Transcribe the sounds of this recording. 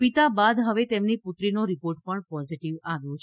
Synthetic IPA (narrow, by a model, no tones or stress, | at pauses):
pit̪abad̪ɦəʋet̪emnipʊt̪ɾinoɾipoɾʈpəɳpɔziʈiʋaʋjõt͡ʃʰ